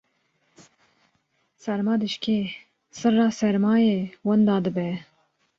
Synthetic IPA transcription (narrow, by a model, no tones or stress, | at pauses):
sɛɾmɑːd̪ɨʃkʰe | sɨrːɑːsɛɾmɑːjewənd̪ɑːd̪ɨbɛ